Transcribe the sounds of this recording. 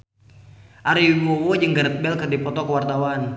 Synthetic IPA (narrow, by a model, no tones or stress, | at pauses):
ʔaɾiɡɔwɔd͡ʒəŋɡəɾət̪̚bɛlkərdipɔt̪ɔkəwart̪awan